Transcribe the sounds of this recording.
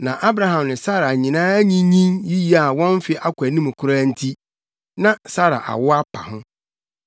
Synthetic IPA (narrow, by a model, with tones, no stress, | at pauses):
nã˨ʔa˦bɾa˨ɦã˨mnɪ̃˨sa˦ɾa˨ɲĩ˨nãː˦æ˦ɲĩ˦ɲĩ˦nji˦ji˦a˨wɔ̃˦n˦fɪ˨ʔa˦kʷʰæ˨nĩ˦m˨kʰʊ˦ɾa˦n̩˦tʰi˦ | nã˦sa˦ɾa̰˨ʔa̰˨wʊ˦a˦pʰa̰˨hʊ̃˦